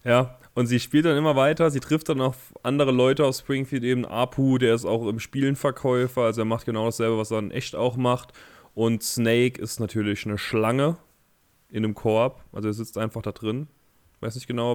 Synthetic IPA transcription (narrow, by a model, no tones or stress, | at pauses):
jaːʔʊntz̥iːʃpiːlt̚d̥anɪmɐvaɪtɐziːtʁ̥ɪftd̥anaʊx | ʔandəʁ̞əlɔʏtəaʊfspʁ̥ɪŋfiːltʔeːbmn̩ʔa̰ːpʰuːdeːɐɪsta̰ʊxɪmʃpiːlənfɛɐkʰɔʏfɐalzoeɐmaχt̚ɡ̥ənaʊɾasz̥ɛlbəvaseːɐɪnʔɛ̰çta̰ʊxmaχt | ʔʊntsneɪkɪ̰stnatʰyːɐlɪçnəʃlaŋə | ʔɪnəmkʰɔɐpʔa̰lzoeːɐzɪt͡stʔaɪnfaχd̥adʁɪn | vaɪsnɪçtɡ̥ənaʊ